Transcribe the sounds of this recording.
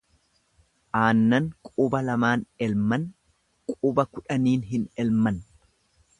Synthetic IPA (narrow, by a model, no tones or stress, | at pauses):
ʔaːnːɐŋkʼʊːbɐlɐmaːnɛlmɐn | kʼʊːbɐkʊᶑɐniːnɦɪnɛlmɐn